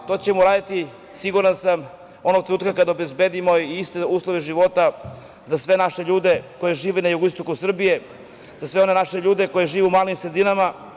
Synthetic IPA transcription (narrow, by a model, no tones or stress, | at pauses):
t̪o̞t͡ɕe̞muɾaːd̪at̪i | siɡuɾansam | o̞no̞ɡ̚t̪ɾenuːt̪kakad̪aobe̞zbed̪imo̞iist̪euːslˠoʋeʒiʋo̞t̪a | zasʋe̞naʃeʎuːd̪eko̞jeʒiːʋenajuɡoist̪o̞kusr̩bije̞ | zasʋe̞o̞ne̞naʃeʎuːd̪e̞ko̞jeʒiːʋeumaːlimsɾed̪inama